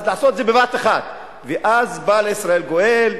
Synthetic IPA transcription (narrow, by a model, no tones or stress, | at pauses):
zlaʕasot̪edzebevat̪eχat̪ | veʔazbaleisʁae̞lɡoʔel